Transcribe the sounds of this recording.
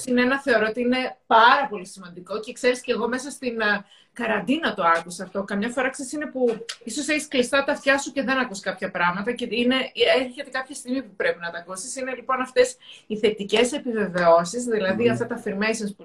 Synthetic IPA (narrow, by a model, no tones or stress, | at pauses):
sineenɐθe̞oɾo̞ot̪iine̞pɐɾɐpo̞lisimɐnd̪iko̞ce̞kse̞ɾisce̞ɣo̞me̞sɐst̪in | kɐɾɐnd̪inɐt̪o̞ɐkusɐːft̪o̞kɐmɲɐfo̞ɾɐksesine̞puiso̞seçisklist̪ɐt̪ɐft̪çɐsuce̞ðe̞nɐkuskɐpçɐpɾɐɣmɐt̪ɐceine̞eɾçe̞t̪e̞kɐpçɐst̪iɣmipupɾe̞pinɐt̪ɐkusisine̞lipo̞nɐft̪e̞siθe̞t̪ice̞se̞pive̞ve̞o̞sizðilɐðiɐft̪ɐt̪ɐfiɾmejsɐnsp